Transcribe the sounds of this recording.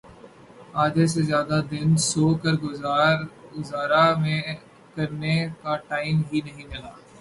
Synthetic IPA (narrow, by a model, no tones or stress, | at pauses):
aːd̪es̬ezjaːd̪ad̪ɪnsoːkəɾɡʊːɾʊzaːɾamẽ | kɐɾnekaʈaːɪmɦinɐɦĩmɪlaː